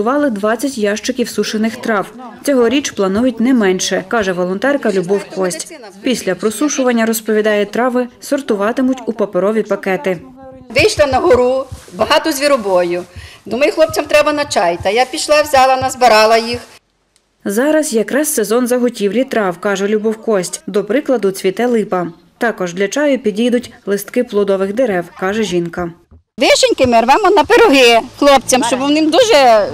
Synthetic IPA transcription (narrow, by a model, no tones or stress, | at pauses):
ʊʋɑlˠɪd̪ʋɑt͡sʲːɐtʲjɑʃt͡ʃɪkʲiwsuʃenɪxt̪ɾɑwt͡sʲɔɦɔɾʲit͡ʃplˠɐnujʊtʲnɛmɛnʃɛkɑʒɛʋɔlˠɔnt̪ɛrkɐlʲʊbɔwkɔsʲtʲ | pʲisʲlʲɐpɾɔsuʃʊʋɐnʲːɐɾɔspɔʋʲid̪ɑjɛt̪ɾɑʋɪsɔrt̪ʊʋɑt̪ɪmʊtʲupɐpeɾɔʋʲipɐkɛt̪ɪ | ʋɪjʃlˠɪnɐɦʊɾubɐɦɑt̪ʊzʲʋʲiɾʊbɔjʊd̪umɐjʊxlˠɔp̚t͡sʲɐmt̪ɾɛbɐnɐt͡ʃɑjt̪ɐjapʲiʃlˠɑʋzʲɑlˠɐnɐzbeɾɑlˠɐjix | zɑɾɐsjɐkɾɑssezɔnzɐɦʊtʲiwlʲit̪ɾɑwkɑʒɛlʲubɔwkɔsʲtʲd̪ɔpɾɪklˠɐd̪ʊt͡sʲʋʲit̪ɛlˠɪpɐ | t̪ɑkɔʒd̪lʲɐt͡ʃɑjʊpʲid̪ʲid̪ʊtʲlˠɪst̪kɪplˠʊd̪ɔʋɪxd̪eɾɛwkɑʒɛʒʲinkɐ | ʋɪʃenʲkɪmeɾʋɛmɔnɐpeɾɔɦɪxlˠɔpt͡sʲɐmʃt͡ʃɔbwnɪmd̪uʒɛ